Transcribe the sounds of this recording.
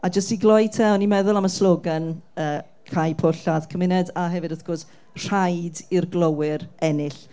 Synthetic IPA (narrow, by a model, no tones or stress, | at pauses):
ad͡ʒəstiɡlˠɔjtʰɛɔnimɛðʊlˠaməslˠoːɡanəː | kʰajpʰʊɬaðkʰəmɪnɛdaɦɛvɨdaθɡ̥ɔrs | r̥ajdirɡlˠowɪɾɛnɪɬ